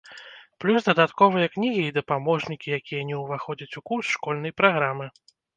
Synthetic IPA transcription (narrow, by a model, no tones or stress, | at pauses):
plʲus̬d̪ɐd̪at̪kɔvɨjɐknʲiɣʲiːd̪ɐpamɔʐnʲikʲijakʲijɐnʲɛwvaxɔd͡zʲɐt͡sʲukusʂkɔlʲnɐjpɾaɣɾamɨ